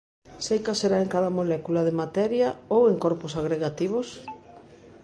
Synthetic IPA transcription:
sejkaseɾaeŋkaðɐmolɛkulaðemat̪ɛɾjɐoweŋkoɾposaɣɾeɣat̪iβ̞os

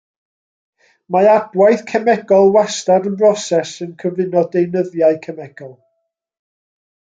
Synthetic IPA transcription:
maadwaɨθkʰɛmɛɡɔlˠwastaɾənbrɔsɛsənkʰəvɪnɔdejnəðjaɨkʰɛmɛɡ̥ɔlˠ

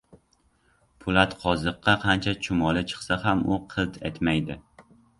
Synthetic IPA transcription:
pʰʊlat̪qʰɒzɨqːɑqʰɑnt͡ʃʰat͡ʃʰʊmɒlɪt͡ʃʰɨ̥χsahamʊqʰɨt̪e̞̰t̪majd̪ɪ

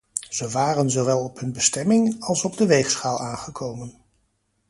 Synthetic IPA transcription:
z̥əʋaːrənzowʋɛlˠɔpɦɵnbəstɛmɪŋɑlˠsɔbdəʋejχsχaːlˠaːnχəkʰowmən

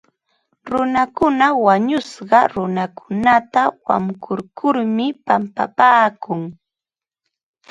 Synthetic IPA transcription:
ɾʊnakʊnawaɲʊsɢɑɾʊnakʰʊnat̪awa̰mkʰʊɾkʰʊɾmɪpampa̰paːkʊŋ

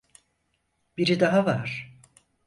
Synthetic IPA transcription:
b̥iɾid̪aɦavaɾ̥

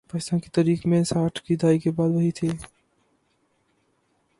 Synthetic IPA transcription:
pɐsãkit̪əɾikʰmẽsaːʈʰkid̪ʱaːjkebaːd̪bəɦit̪ʰe

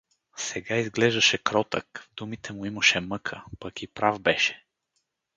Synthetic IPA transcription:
sɛɡaizɡlɛʒd̪ɐʃɛkɾɔt̪ə̰kvd̪umit̪ʰɛmʊimɐʃɛmɤkʰəpɐkipɾavbɛʃɛ̥

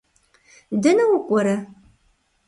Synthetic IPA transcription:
dɐnɐwʊkʷʼɔɾɐ

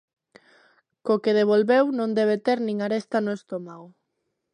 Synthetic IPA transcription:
kokeðeβ̞olβewnõnd̪eβ̞et̪eɾnĩŋaɾest̪anoʊest̪omaɣo

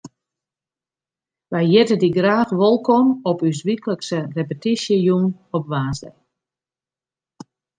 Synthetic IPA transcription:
ʋɛjjɪtədiɡraːxʋolˠkɔmɔpys̬ʋikləksərepətisjəjun | ɔpʋaːsdə̰

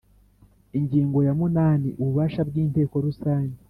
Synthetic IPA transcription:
iɲɟiːŋɡo̞jamunaːnḭʔuβuβaːʃabɡiːnte̞ːko̞ɾusaːɲɟe

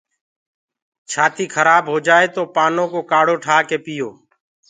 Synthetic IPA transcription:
t͡ʃʰaːt̪iːkʰəɾaːbɦoːd͡ʒaːeːt̪oːpaːnõːkoːkaːɽoːʈʰaːkeːpiːjoː

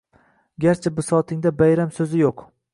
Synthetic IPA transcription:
ɡʲaɾt͡ʃʰabɪsɒt̪ʰɪŋd̪abajɾamsɵzɪjoq

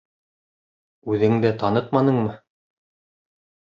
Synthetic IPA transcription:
ʉðɘŋd̪æt̪ɑnɤq̪̚mɑnɤɴmɤ

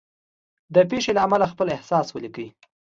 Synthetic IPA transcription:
d̪əpeʃelaamalaxpəlɪhsɑswəlikəwi

